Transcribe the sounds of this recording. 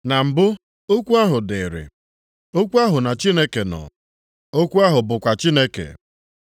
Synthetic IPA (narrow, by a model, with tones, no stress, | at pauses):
na˨m̩˨bʊ˦ | o˦kʷu˦a˦ɦʊ˨de˨ɾḛ˨ | o˦kʷu˦a˦ɦʊ˨na˨t͡ʃi˦ne˦ke˨nɔ̰˨ | o˦kʷu˦a˦ɦʊ˨bʊ˨kʷa˨t͡ʃi˦ne˦kḛ˨